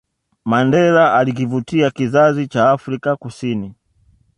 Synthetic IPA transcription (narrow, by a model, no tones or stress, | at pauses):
mandɛlaʔalik̬ivutiakizazit͡ʃaːfɾikakusini